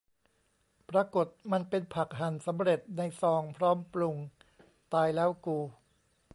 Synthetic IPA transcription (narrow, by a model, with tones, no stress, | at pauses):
pɾa˧ko˨˩t̪̚ma˧npe˧npʰa˨˩k̚ɦa˨˩nsa˩˦mɾe˨˩t̪̚na˧jsɔː˧ŋpʰɾɔː˦˥mplu˧ŋ | t̪aː˧jlɛː˦˥wkuː˧